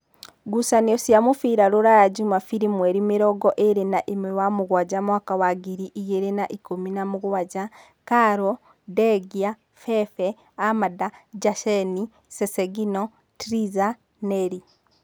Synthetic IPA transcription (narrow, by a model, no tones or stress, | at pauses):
ɡusaniosjamufiɾaɾoɾajaɟumafiɾimweɾimiɾɔɡɔʔeɾenaʔimwewamuɣwaɟamwakawaɡiɾiʔiɣeɾenaʔikuminamuɣwaɟa | kaɾo | deɡia | fefe | amadad͡ʒaʃeni | seseɡino | tɾiza | neɾi